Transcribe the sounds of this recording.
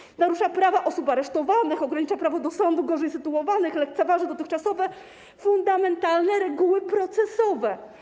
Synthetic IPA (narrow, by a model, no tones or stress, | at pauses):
naɾuʂapɾavaʔɔsupaɾɛʂt̪ɔvanɘxɔɡɾaɲit͡ʂapɾavɔd̪ɔsɔnd̪uɡɔʐɛjsɘt̪uɔvanɘxlɛk̚t̪sɛvaʐnɛd̪ɔt̪ɘxkt͡ʂasɔvɛ | fund̪amɛnt̪alnɛɾɛɡuwɘpɾɔt̪sɛsɔvɛ